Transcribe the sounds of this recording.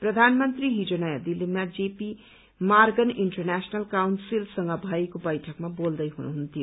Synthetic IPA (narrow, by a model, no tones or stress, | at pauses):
prʌd̪ʱanmʌnt̪riɦid͡zonajad̪ilːimad͡zepi | marɡʌniɳʈʌrnasnʌlkawnsilsʌŋɡʌbʱʌjkobʌjʈʰʌkmabold̪ʌjɦunṵɦunt̪ʰijo